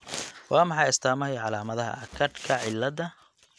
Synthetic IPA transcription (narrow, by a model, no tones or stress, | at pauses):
wɑːmɑħɑjɪst̪ʰaːmɐjʕɑlaːmɐðɐɦɐ̰ʔɐkʰɐrkʰɐʕɪlːɐðɐ